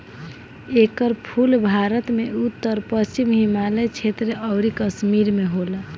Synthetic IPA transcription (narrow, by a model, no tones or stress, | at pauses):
ekəɾpʰulbʱaɾət̪meut̪ːəɾpəst͡ʃimɦimalet͡ʃʰet̪ɾeəʊɾikəsmiɾmeɦolə